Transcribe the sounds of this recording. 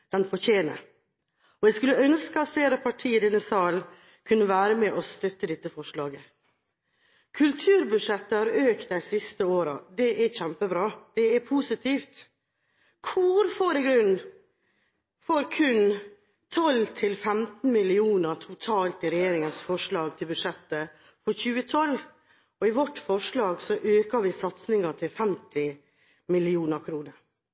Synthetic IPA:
d̪̥ɛnpɔçeːnə̰ | ɔɛskʉlːəœnskəɑt̪seːɾəpʰɑʈʰiːɪd̪ɛnːəsɑːl | kʰʉnːəʋæːɾəmɛʔɔst̪œt̪ːəd̪ɛt̪ːəfɔʂɭɑːɡə | kʰʉlt̪ʰʉːɾbʉʂɛt̪ːəhɑɾøːkt̪æɪsɪst̪əoːɾə̰d̪ɛʔæɾçæmpəbɾɑːd̪̥ɛæpʰusɪt̪ʰiːft̪ | kʰʊɾfoːɾɪɡɾʉnː | fɔɾkʰʉn | t̪ʰɔlt̪ʰɪlfɛmt̪n̩mɪlɪuːnəɾʈʰʊt̪ʰɑːlt̪ɪɾɛjeːɾɪŋənsfɔʂɭɑːɡ̚t̪ʰɪlbʉd̪ʂɛt̪ːə | fɔɾçʉːət̪ʰɔl | ɔɪʋɔʈːfɔʂlɑːɡsɔʔøːkəʋɪsɑt̪snɪŋɑʈʰɪlfɛmt̪ɪ | mɪlɪuːnəɾkʰɾuːnəɾ

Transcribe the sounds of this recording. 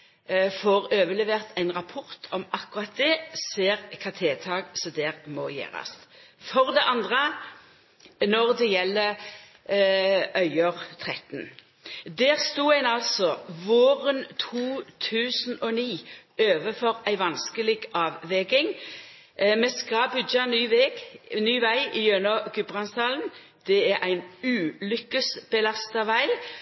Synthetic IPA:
foʁøːʋəlɛʋeːʁt̪ʰæɪnʁɑpʰʊʁt̪ʰɔmɑkʊʁɑt̪̚d̪ɛseːʁkʰɑt̪ʰeːt̪ʰɑːɡsɔd̪eːʁmɔjḛːʁɑ̰sfɔʁd̪ɛʔɑnd̪ʁə | nɔʁd̪ɛjɛlːə | ʔœʏəʁt̪ʰʁɛt̪n | d̪æːʁst̪uːæɪnɑlsɔʋoːʁənt̪ʰuːt̪ʰʉːsn̩ɔniːøːʋəfɔʁæɪʋɑnskəlɪɡɑːʋːɛɡɪŋ | mɛskɑbʏdɑnyːʋɛɡnyːʋæɪɪjœnɔɡʉbʁɑnst̪ɑːln̩ | d̪̥ɛæɾʔæɪnʉːlʏkːəsb̥əlɑst̪ɑʋæɪl

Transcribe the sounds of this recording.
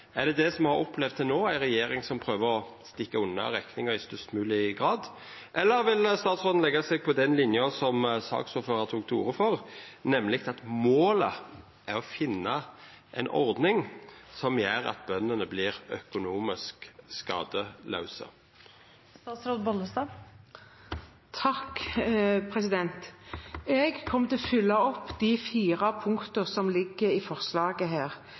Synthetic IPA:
æʁd̪ɛd̪ɛsɔmhɑɾɔplɛʋ̪d̪t̪ʰːɪlnoːæɪʁɛjeːɾɪŋsɔmpʰɾøːʋəɾɔst̪ɪkːɑʉnːɑ̰ɾɛknɪŋɑɪst̪ʉst̪mʉːlɪɡʁɑːd̪ | ʔɛlːəɾʋɪlst̪ɑːt̪sʁoːd̪n̩lɛɡɑsɛɡ̚pʰɔd̪ɛnlɪnjɔsɔmsɑ̰ːksuːføːʁɑt̪ʰuːɡt̪ʰṵːɾəfɔʁnɛmːlɪk̚t̪ɑt̪moːlə | ʔæɾɔfɪnːɑ | ʔɛɪnʔɔ̰ɾd̪nɪŋsɔmjæːɾɑ̰t̪̚bœnːənəbliːʁœkʊnuːmɪskskɑːd̪əlʔɑ̰ʉsə̰ | st̪ɑt̪sɾoːt̪̚bɔləst̪ɑː | t̪ʰɑk | pʰɾɛsɪd̪ɛnt̪ | ɛɡkʰɔmːət̪ʰɪlfʏlːɑɔpːd̪̥ifiːʁɑpʰʊŋkt̪əʁsɔmlɪɡːəɾifɔʁslɑːɡəɦæːʁ

